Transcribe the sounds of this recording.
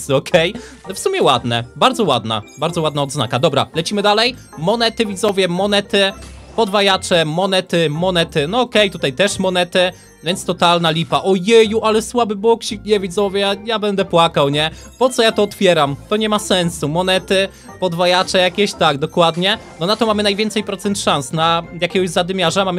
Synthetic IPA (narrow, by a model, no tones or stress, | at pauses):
sɔkʰɛj | ɛfsumʲjɛwad̪nɛ̰baɾd̪zɔwa̰d̪na̰baɾd̪zɔwad̪naɔd̪zna̰kad̪ɔbɾa̰lɛt͡ɕimɘd̪alɛj | mɔnɛt̪ɘvʲid̪zɔvʲjɛmɔnɛt̪ɘpɔd̪vajat͡ʂɛmɔnɛt̪ɘmɔnɛt̪ɘnɔɔkɛjt̪ut̪ajt̪ɛʂmɔnɛt̪ɘ | vʲjɛnt̪st̪ɔt̪alnalʲifaʔɔjɛjuʔalɛswabɘbɔkɕikɲɛvʲid̪zɔvʲjɛjabɛnd̪ɛpwakawɲɛ | pɔt̪sɔjat̪ɔːt̪fʲjɛɾamt̪ɔɲɛmasɛnsumɔnɛt̪ɘ | pɔd̪vajat͡ʂɛjakʲɛɕt̪aɡ̚d̪ɔkwad̪ɲɛnɔnat̪ɔmamɘnajvʲɛnt̪sɛjpɾɔt̪sɛnt̪ʂansnajakʲɛɡɔʑzad̪ɘmʲjaʐamam